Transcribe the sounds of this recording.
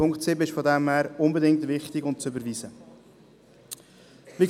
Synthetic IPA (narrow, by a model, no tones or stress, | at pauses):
ʊŋktsɪbɪʃfodɛmhæːɾʊnbədɪŋ̚tvɪχtɪɡʊnt̚t͡sʏbəɾviːzə | vi